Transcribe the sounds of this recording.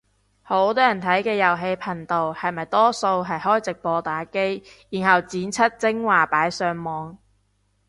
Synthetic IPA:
ho˨˥wt̪ɔː˥jɐ˨˩nt̪ʰɐ˨˥jkɛː˧jɐ˨˩wɦe˧jpʰɐ˨˩ŋt̪o˨whɐ˨jmɐ˨jt̪ɔː˥so˧wɦɐ˨jhɔː˥jt͡sɪ˨k̚pɔː˧t̪aː˨˥ke˥jjiː˨˩nɦɐ˨˩wt͡siː˨˥nt͡sʰɐ˥t̚t͡sɪ˥ŋwaː˨paː˨˥jsœː˧ŋmɔː˨˧ŋ

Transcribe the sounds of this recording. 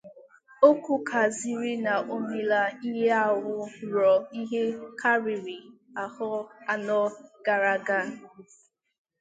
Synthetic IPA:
o˦ku˦kʰa˨zi˦ɾi˦na˨ʔo˦mi˨la˦i˦ɦe˦a˦wʊ˦ɾɔ˨i˦ɦe˦kʰa˦ɾi˨ɾi˨ | a˨hɔ˦a˦nɔ˦ɡ̥a˨ɾa˦ɡa˦

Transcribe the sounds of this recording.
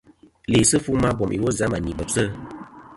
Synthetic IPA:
le˨sɨ˦fu˦ma˦bɔ˨mʔḭ˨wo˦za˨˦ma˨ni˨bə˨p̚sə˦

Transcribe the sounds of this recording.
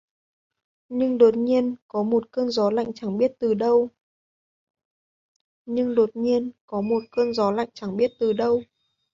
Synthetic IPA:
ɲɨ˧ŋɗo˨˩t̚ɲi˧ənkɔ˨˦mo˨˩t̚kəː˧nzɔ˨˦la̰˧˨jŋ̟t͡ɕa˧˩ŋɓi˦˥ət̚t̪ɨ˨˩ɗə˧w | ɲɨ˧ŋɗo˨˩t̚ɲi˧ənkɔ˨˦mo˨˩t̚kəː˧nzɔ˨˦la̰˧˨jŋ̟t͡ɕa˧˩ŋɓi˦˥ət̚t̪ɨ˨˩ɗə˧w

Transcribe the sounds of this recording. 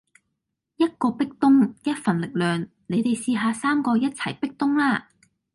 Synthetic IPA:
jɐ˥t̚kɔː˧pɪ˥k̚t̪ʊ˥ŋjɐ˥t̚fɐ˨nlɪ˨k̚lœː˨˩ŋ | ne˨˧jt̪e˨jsiː˧ɦaː˨˧saː˥mkɔː˧jɐ˥t̚t͡sʰɐ̰˨˩jpɪ˥k̚t̪ʊ˥ŋlaː˥

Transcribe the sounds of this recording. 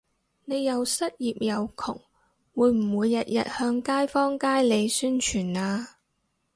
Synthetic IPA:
ne˨˧jːɐ˨wsɐ˥t̚jiː˨p̚jɐ˨˧wkʰʊ̰˨˩ŋ | wuː˨˧jm̩˨˩wuː˨˧jːɐ˨t̚jɐ̰˨t̚hœː˧ŋkaː˥jfɔː˥ŋkaː˥jle˨˧jsyː˥nt͡ʃʰyː˨˩naː˧

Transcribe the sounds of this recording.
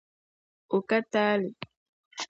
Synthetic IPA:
o˨ka˦taː˦li˨

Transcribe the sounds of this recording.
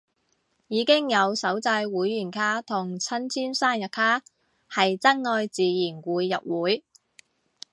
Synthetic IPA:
jiː˨˧kɪ˥ŋjɐ˨˧wsɐ˨˥wt͡sɐ˧jwuː˨˥jːyː˨˩nkʰaː˥t̪ʰʊ˨˩ŋt͡sʰɐ˥nt͡sʰiː˥nsaː˥njɐ˨t̚kʰaː˥ | hɐ˨jt͡sɐ˥ŋŋɔː˧jt͡siː˨jiː˨˩nkuː˨˧jːɐ˨p̚wuː˨˥j

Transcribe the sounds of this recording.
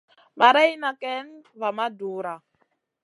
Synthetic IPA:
ɓa˨ɾa˦i˦na˨kɛ˦nβa˨ma˦duː˨˦ɾa˨

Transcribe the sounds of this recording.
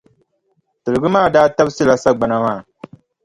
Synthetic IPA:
tɨ˨ɾɨ˨ɡɨ˦maː˦˨daː˦ta˦bsɨ˦la˨sa˦ɡ͡ba˨na˦maː˦˨

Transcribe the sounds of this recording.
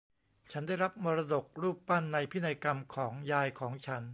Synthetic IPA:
t͡ɕʰa˦˥ndaː˥˩jɾa˦˥p̚mɔː˧ɾa˧do˨˩k̚ɾuː˥˩pːa˥˩nːa˧jpʰi˦˥˩na˧jka˧mkʰɔː˩˦ŋjaː˧jkʰɔː˩˦ŋt͡ɕʰa˦˥n

